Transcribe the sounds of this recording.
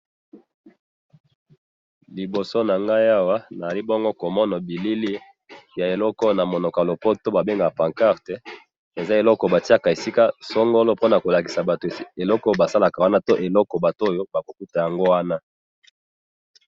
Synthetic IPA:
li˨bo˨so˦na˨ŋɡa˦ja˦wa˦na˨a˨li˦bɔ˦ŋɡɔ˦ko˨mɔ˦nɔ˨bi˨li˦li˦ | ja˨e˨lɔ˦kɔ˦na˨mo˨nɔ˨ka˨lo˨pɔ˦to˦ba˨be˦ŋɡa˨pã˨ŋka˦ʁte˨ | e˨za˦e˨lɔ˦kɔ˨ba˨ti˦a˦ka˨e˨si˦ka˦sɔ˦ŋɡo˦lo˦po˦na˨ko˨la˨ki̥˨sa˨ba˨to˨e˨lɔ˦kɔ˦˨ba˨sa˦la˨ka˨wa˦na˦to˦ʔe˨lɔ˦kɔ˨ba˨to˦˨jo˦ba˨ko˨ku˦ta˨ja˨ŋɡo˦wa˦na˦

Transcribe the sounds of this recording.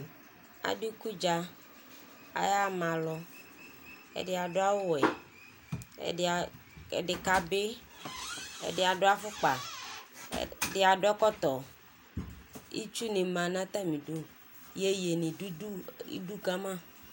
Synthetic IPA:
a̰˨ɖe˦ku˦d͡ʒa˦ | a̰˨ja˦mã˨lɔ˨ | ḛ˦de˦a˨ɖo˦a˦wo˦wɛ˨ | ḛ˨ɖe˨ka˨be˦ | ḛ˨ɖe˦a˨ɖo˦a˦fo˦k͡pa̰˨ | ɖe˦a˨ɖo˦ɛ˦kɔ˦t̪ɔ˨ | ḭ˦t͡ʃu˦nẽ˨mã˨nã˦t̪a˦mĩ˨ɖo˦ | je˦je˨nĩ˨u˦u˦ḭ˦du˦ka˦mã˦˨

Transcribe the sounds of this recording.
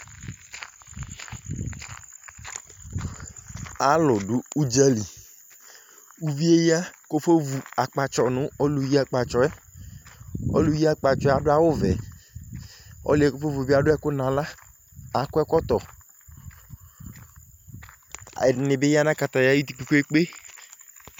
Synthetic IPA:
a˨lʊ˨dʊ˦u˦d͡ʒa˦li˨ | u˦vi˦e˦ji˦a˦ko˦fo˦vu˨a˨k͡pa˨t͡ʃɔ˨nʊ̃˨˦ɔ˦lu˨ji˦a˨k͡pa˨t͡ʃɔ˨ɛ˦ | ɔ̰˦lu˨˦ji˦a˨k͡pa˨t͡ʃɔ˨˦a˨dʊ˦a˨wʊ˦vɛ̰˨ | ɔ̰˦lɪ˨˦ɛ˦ko˦fo˦vu˨bi˦a˨dʊ˦ɛ˦kʊ˦nã˨la˦ | a˨˦kʊ˦ɛ˦kɔ˦t̪ɔ˨ | nɪ˨bɪ˦ja˦nã˦ka˨t̪a˨ja˨˦ji˦t̪i˨pi˨ko˦e˦k͡pe˦

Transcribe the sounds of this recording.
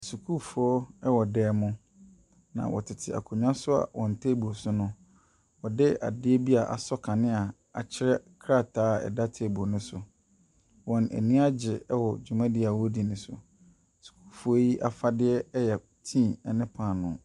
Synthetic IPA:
su˨kʰu˦fu˨ɔ˦ɛ˦wɔ˨dɛː˨˦mʊ̃˦ | nã̰˨wʔɔ̰˨tʰɪ˨tʰɪ˨a̰˨kʰʊ˨ɲᶣ˦ã˦sʊ˦a̰˨wɔ̃˨n˨tʰe˦bu˨o˨sʊ˦nʊ̃˦ | wɔ˨dɪ˦a̰˨dɪ˦ɛ˦bi˦a˨ʔa̰˨sɔ˦kʰã˨nɪ̃˦a˨ | a˨t͡ɕʰɪ˦ɾɛ˦kʰɾa˦˨tʰaː˨˦ɛ̰˨da˦tʰɪ˦ɛ˨bu˨o˨nʊ̃˦sʊ˨ | wɔ̃˨næ̰˨nĩ˦a˦d͡ʑɪ˨ɛ˦wɔ˨d͡ʑᶣu˨mã˦dɪ˦a˨wɔ˦di˨nʊ̃˨sʊ̰˨ | su̥˨kʰu̥˦fu˨ɔ˦ji˦ʔa˨fa˦dɪ˦ɛ˦jɛ˨ | tʰĩ˦˨ɛ˨nɪ̃˦pʰãː˨nʊ̃˨

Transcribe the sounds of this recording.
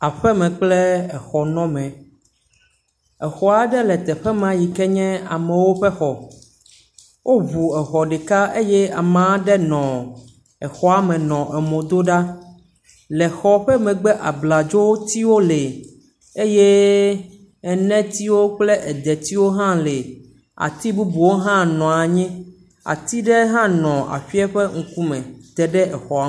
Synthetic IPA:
a˨ɸɛ˦mɛ̃˨k͡plɛ˦ɛ˨xɔ˨nɔ̃˦mɛ̃˨ | ɛ˨xɔ˨a˨ɖɛ˦lɛ˨t̪ɛ˨ɸɛ˦mã˨ji˨kɛ˦ɲɛ̃˦a˨mɛ̃˨wo˦ɸɛ˦xɔ˨ | wʔo˦βu˨ɛ˨xɔ˨ɖe˨ka˦e˦jɛ˦a˨mã˨˦ɖɛ˦nɔ̃˨ | ɛ˨xɔ˨a˦mɛ̃˨nɔ̃˨ʔɛ˨mõ˨d̪o˦ɖa˦ | lɛ˨xɔ˨ɸɛ˦mɛ̃˨ɡ͡bɛ˦ʔa˨bla˨d͡ʒo˦wo˦t̪i˦wo˦le˨ | e˦je˦ | ɛ˨nɛ̃˦t̪i˦wo˦k͡ple˦ʔɛ˨d̪ɛ˨t̪i˦wo˦ɦã˦le˨ | a̰˨t̪i˦bu˦bu˨wo˦ɦã˦nɔ̃˨a˨ɲɛ̃˦ | a̰˨t̪i˦ɖɛ˦ɦã˦nɔ̃˨a̰˨ɸi˦ɛ˦ɸe˦ŋ̩˨ku˦mɛ̃˨t̪ɛ˨ɖɛ˦ʔɛ˨xɔ˨a˦

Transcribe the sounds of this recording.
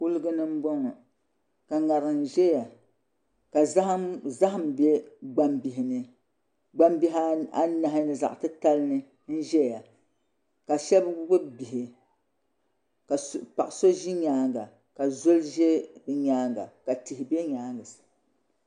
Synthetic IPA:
ku˦lɨ˦ɡɨ˦nɨ˦m̩˦bɔ˦ŋɔ˨ | ka˨ŋa˨ɾɨ˨n̩˨ʒɛ˦ja˨ | ka˨˦za˦ɦɨ˦m˨bɛ˦ɡ͡ba˦mbi˨ɦɪ˨nɨ˦ | ɡ͡ba˦mbi˦ɦa˦a˦na˨ɦɪ˦nɨ˨za˨ʔtɨ˦ta˦lɨ˦nɨ˦ | n̩˦ʒɛ˦ja˨ | ka˨ʃɛ˦bbɨ˦bi˨ɦɪ˨ | ka˨spa˨ʔso˦ʒi˦ɲaː˦ŋɡa˨ | ka˨zo˦lʒɛ˦bɨ˨ɲaː˦ŋɡa̰˨ka˨ti˨hɪ˨bɛ˦ɲaː˦ŋɡɨ˨sɨ̥˨

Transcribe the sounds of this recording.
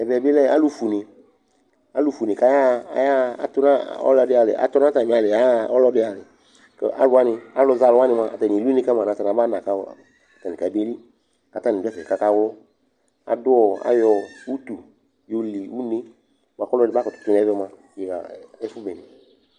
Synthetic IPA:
ɛ˨vɛ˨bi˦lɛ˦a̰˦lu˦fu˨nɪ̃˨ | a˦lu˦fu˨nĩ˨ka˦ja˦˨ja˦a̰˨˦t̪ʊ˦na˦ɔ̰˦lɔ˧˦ɖɪ˦a˨lɪ̰˨a̰˨t̪ɔ˦nã˦t̪a˨ĩ˨a˨lɪ˨a˦ɔ˦lɔ˦ɖɪ˦a˨lɪ˨ | kḛ˦ʔa̰˦lʊ˦a˦nɪ̃˧a˦lɔ˧za˧lɔ˦a˦nɪ̃˧mã˧a˨t̪a˨ni˨lu˦nĩ˦ka˦mã˨na˨t̪a˨nã˨˦ba˦nã˨ka˦wɔ˦˨ | a˨t̪a˨ni˨a˨˦be˦li˦ | a˨t̪a˨˦ni˨da˦fɛ˨ka˦ka˦wɔ˦ | a̰˨dʊ˦ɔ˨a̰˦jɔ˨u˦t̪u˨ | jo˦li˨wu˦ni˦˨ | mã˨kɔ˦lɔ˦dɪ˨ba˦kɔ˨t̪ʊ̥˨t̪u˦n˨ɛ˨˦vɛ˦mã˨ | je˨ɣa̰˨ɛ˦fu˦bɛ˨ni˨

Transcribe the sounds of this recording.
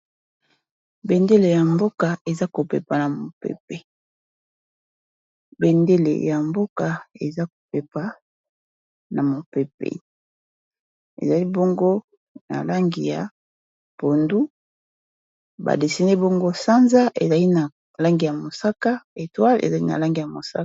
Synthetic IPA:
be˨nde˦le˨ja˨mbo˦ka˨e˨za˦ko˨pḛ˨pa˨na˨mo˨pḛ˨p̚e˨ | be˨nde˦lḛ˨ja˨mbo˦ka˨e˨za˦ko̥˨pe˨pa˦ | na˨mo˨pe˨p̚ḛ˨ | ḛ˨za˨li˦bo˦ŋɡo˦ | na̰˨la˦ŋɡi˨ja˨ | po˨ndu˦ | ba̰˨de˨si˦ne˦bo˦ŋɡo˦sa˦nza˦ʔḛ˨za˨li˦na˨ | la˦ŋɡi˨ja˨mo˨sa˦ka˦e˨twa˦lḛ˨za˨lḭ˦na̰˨la˦ŋɡi˨ja˨mo˨sa˦

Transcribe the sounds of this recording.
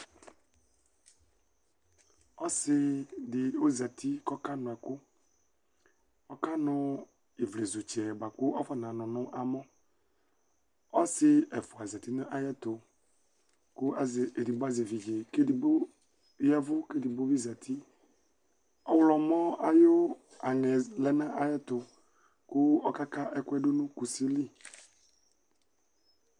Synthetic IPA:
ɔ˦sɪ˨dɪ˨o˦za˨t̪ʰi˦kɔ˦ka˦nʊ̃˨ɛ˨kʊ˦ | ɔ˦ka˦nʊ̃˦ | e˨vle˨zu˨t͡ʃɛ˨ba˨kʊ˦ʔɔ˦fɔ˨nã˨nʊ̃˨nʊ̃˦ʔa˨mɔ̃˦ | ɔ˦sɪ˦ɛ˨fʊ˨a˨za˨t̪i˦nʊ̃˦ʔa˦jɛ˦t̪ʊ˨ | kʊ˦a˨ze˨di˨bo˦a˦ze˨vi˨d͡ʒe˨ke˦di˨b | jɛ˦vʊ˦ke˦di˨bo˦vi˦za˨t̪ʰi˦ | ɔ˦wlɔ˨mɔ̃˦a˨jo˦ | a˨ŋɛ˨lɛ˦nã˦ʔa˨jɛ˦t̪ʊ˨ | kʊ˦ɔ˦ka˦ka˦ʔɛ˦kʊ˦ɛ˦ɖo˦nʊ̃˦ku˨si˦li˦

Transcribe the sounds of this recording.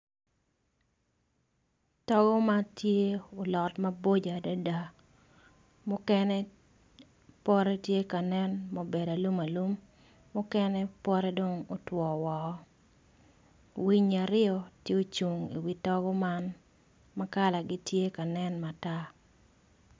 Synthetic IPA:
tɔ˦ɡɔ˦ma˦tje˦o˨lɔ˨tmɐ˦bo˦d͡ʒa˨da˦da˦ | mʊ˦kɛ˦nɛ˦ | pɔ˦ɾɛ˦tje˦ka˨nɛ˦nmo˨be˨da˨lu˦ma˨lu˦mː | ʊ˦kɛ˦nɛ˦pwɔ˦ɾɛ˦do˦ŋo˨twɔ˨wɔ˨˦ | wi˦ɲa˨ɾɪɔ˦tje˦o˦t͡ʃu˨ŋḭ˨wi˨tɔ˦ɡɔ˦ma˦n | ma˦ka˦la˨ɡɪ˦tje˦ka˨nɛ˦nma˨ta˦

